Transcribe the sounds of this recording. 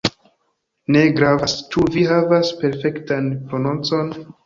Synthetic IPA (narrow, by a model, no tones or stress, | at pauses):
ne̞ɡɾavast͡ʃuviɦavaspe̞ɾfe̞ktanpɾo̞nont͡so̞n